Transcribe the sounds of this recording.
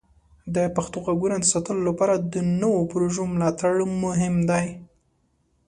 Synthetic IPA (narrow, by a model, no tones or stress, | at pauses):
d̪əpaxt̪oɣaɡunad̪əsɑt̪əlolapɑɾad̪ənəwopɾoʒomlɑt̪aɽmʊɦɪmd̪aj